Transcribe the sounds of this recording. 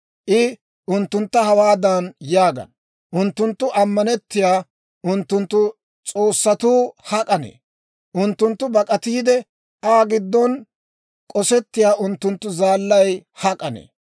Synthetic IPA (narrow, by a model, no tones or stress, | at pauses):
ʔɪ | ʔʊnt̪ːʊnt̪ːɐhɐwaːd̪ɐnjaːɡɐ̰n | ʔʊnt̪ːʊnt̪ːʊʔɐmːɐnɛt̪ːɪjaː | ʔʊnt̪ːʊnt̪ːʊ | t͡sʼo̞ːsːɐt̪uːhɐkʼɐnḛː | ʔʊnt̪ːʊnt̪ːʊbɐkʼɐt̪iːd̪ɛ | aːɡɪd̪ːɔn | kʼɔsɛt̪ːɪjaːʔʊnt̪ːʊnt̪ːʊzaːlːɐjhɐkʼɐnḛː